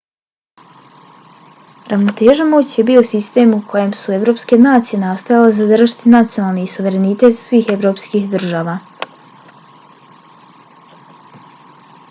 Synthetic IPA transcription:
ɾʔaʋnot̪e̞ːʒamoːt͡ɕje̞bio̞sist̪e̞ːmukʰo̞je̞msue̞ʋɾo̞ːpske̞naːt̪sije̞nast̪ojalezad̪raʒit̪inat̪sijo̞nalˠniːsuʋe̞ɾe̞nit̪e̞t̪sʋiːxe̞ʋɾo̞pskiːxd̪r̩ʒaːʋaː

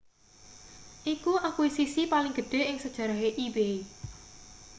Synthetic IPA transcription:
ʔikuʔakwisisipalɪŋɡ̥ə̤ɖ̥e̤ɪŋsəd̥ʒ̥ä̤ɾaɦeʔibei

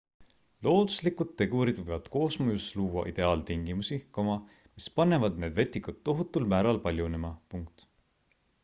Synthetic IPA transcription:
lo̞ːd̪̥u̥slikud̪̥t̪ːe̞ɡuɾid̪vɤ̞jvɑd̪̥ko̞ːsmujusluːwɑ̰ʔid̪̥e̞ɑːlt̪iŋɡ̥imusikɑmɑ | mispɑnːe̞vɑd̪ne̞ːd̪vet̪ˑːikut̪ːo̞ɦut̪ːˑulmæːɾɑlpɑlʲjunemɑpuŋk̚t̪

